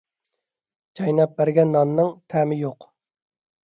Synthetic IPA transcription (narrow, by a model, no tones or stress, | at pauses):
d͡ʒʰɑjnɑp̚bæɾɡʲɛnːɑnːɨŋt̪ʰæmɪjoq